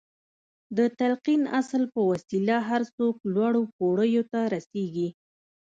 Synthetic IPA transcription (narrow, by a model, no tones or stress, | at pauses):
d̪ət̪alqina̰slpəwasilaɦaɾsoklwɑɽokoɽəjot̪aɾaseɡi